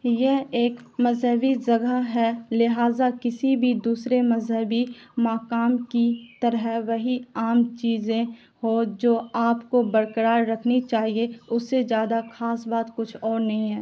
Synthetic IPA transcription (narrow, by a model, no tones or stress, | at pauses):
jɛɦeːkmɐzɦəbid͡ʒɐɡaɦɛlɪɦaːzakɪsibʱid̪uːsɾemɐzɦəbimaːkaːmkit̪ɐɾəɦʋɐɦiaːmt͡ʃiːzẽ | hod͡ʒoːaːpkobɐɾkəɾaːɾɾɐkʰnit͡ʃaːɦieʊsːed͡ʒjaːd̪axaːsbaːt̪kʊt͡ʃʰɔːɾnɐɦĩɦɛː